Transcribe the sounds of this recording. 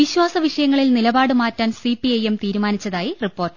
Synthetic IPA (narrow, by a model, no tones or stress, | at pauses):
ʋiɕwaːsɐʋiʂɐjɐŋːɐɭilnilɐbaːɽɨmaːtːaːnsipiejemt̪iːɾumaːnit͡ɕːɐðaːjiripːo̞ːrʈɨ